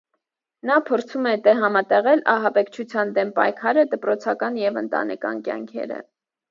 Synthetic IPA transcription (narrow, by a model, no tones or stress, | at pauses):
nɑpʰɔɾt͡sʰumɛt̪ɛɦɑmɑt̪ɛʁɛlɑɦɑbɛkt͡ʃʰut͡sʰjɑnd̪ɛmpɑ̰jkʰɑɾəd̪əpɾɔt͡sʰɑkɑnjɛvənt̪ɑ̰nɛ̰kɑ̰nkjɑ̰ŋkʰɛ̰ɾə̰